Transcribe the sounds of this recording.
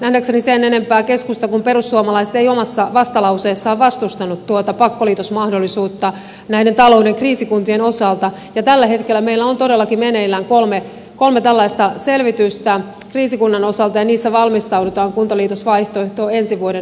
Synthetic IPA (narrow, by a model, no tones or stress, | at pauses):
næhdæksenisenːenempæːke̞skust̪ɑkumperusːuomɑlɑiset̪eijomɑsːɑʋɑst̪ɑlɑwseːsːɑːʋʋɑst̪ust̪ɑnːut̪t̪uot̪ɑpɑkːoliːt̪osmɑhdolːˑisuːt̪ːɑ | næjdent̪ɑlo̞ːwdeŋkriːsikunt̪ieno̞sɑlt̪ɑ | jɑt̪ælːæɦe̞t̪kelːæme̞ilːæont̪o̞delːɑkimene̞ilːæːŋkolme | ko̞lmet̪ælːɑist̪ɑse̞lʋit̪yst̪æ | kriːsikunːɑno̞sɑlt̪ɑjɑniːsːæʋɑlmist̪ɑwdut̪ɑːŋkunt̪ɑliːt̪osʋɑjht̪oeht̪o̞ːe̞nsiʋuode